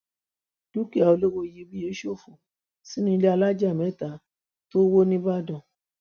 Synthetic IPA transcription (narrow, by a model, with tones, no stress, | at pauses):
d̥u˦ki˦˨a˨o˨˧le˦wo˧je˧˦bĩ˦je˨˦ʃo˦˨fo˨ | si˦nĩ˦˧le˦a˧la˦d͡ʒa˦˨mɛ̃˨˦˨ta˨˦ | to˦wo˦nĩ˦ba˦˨dɔ̃˨